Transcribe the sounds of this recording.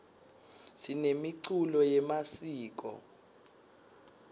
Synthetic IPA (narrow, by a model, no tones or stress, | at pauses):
sinemiǀulɔjɛmasiːk̬ʼɔ̰